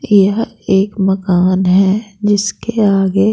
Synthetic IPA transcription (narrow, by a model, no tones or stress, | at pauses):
jɐɦ | eːkmɐkaːnɦɛd͡ʒɪskeaːɡe